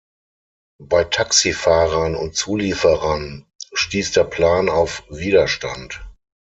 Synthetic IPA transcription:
baɪtʰaksifaːʁɐnʊ̰nt̚t͡suːliːfəʁɐn | ʃtiːsd̥eːɐpʰl̥aːnaʊfviːdɐʃtant

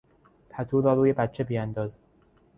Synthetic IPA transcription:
pʰæt̪ʰuːɾɒːɾuːje̞bæt̪̚t͡ʃʰe̞bijænd̪ɒːz

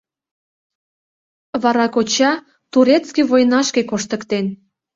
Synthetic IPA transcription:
βɑɾɑkot͡ɕɑ | t̪uɾʲet͡skiβojənɑʃkekoʃt̪ə̆kt̪en

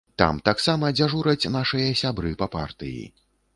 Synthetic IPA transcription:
t̪a̰mt̪aksamɐd͡zʲaʐuɾɐt͡sʲn̪aʂɨjɐsʲabɾɨpɐpa̰rt̪ɨjḭ

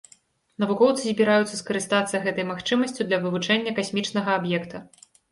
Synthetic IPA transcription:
nɐvukɔwt̪sɨzʲbʲiɾajut̪sːɐskɐɾɨst̪at̪sːɐɣɛt̪ɐjmaxt͡ʂɨmɐsʲt͡sʲud̪lʲɐvɨvut͡ʂɛnʲːɐkasʲmʲit͡ʂnɐɣɐabjɛkt̪ɐ

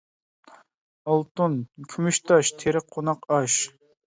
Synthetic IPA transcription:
ɑlˠt̪unkʲʰymyʃt̪ʰɑʃt̪ʰeɾɪqʰːonɑqɑʃ

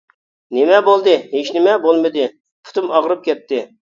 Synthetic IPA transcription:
nɪmɛbolˠd̪ɨhet͡ʃnɪmɛbolˠmɨd̪ɨ | pʰʊ̥t̪ʰumɑʁɾɨp̚kʲɛt̪ːɪ

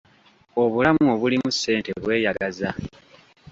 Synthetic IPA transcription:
o̞βulamuo̞βulimusːe̞ːnte̞βwe̞ːjaɡaza

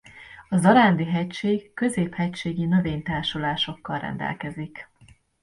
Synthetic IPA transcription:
ɒzɒɾaːnd̪iɦɛcʃeːkːø̞zeːphɛcʃeːɡinø̞veːɲt̪aːrʃulaːʃo̞kːɒlrɛ̰nd̪ɛ̰lkɛzik

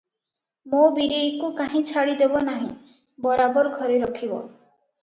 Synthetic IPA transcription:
mobiɾijkukaɦĩt͡ʃʰaɽid̪ebɔnaɦḭ̃ | bɔɾabɔɾɡʱɔɾeɾɔkʰibɔ̰

